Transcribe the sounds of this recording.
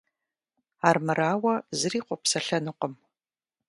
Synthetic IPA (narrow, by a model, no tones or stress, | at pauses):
aːrmɨɾaːwɐzɨriːqʷɔpsɐɬɐnɨqəm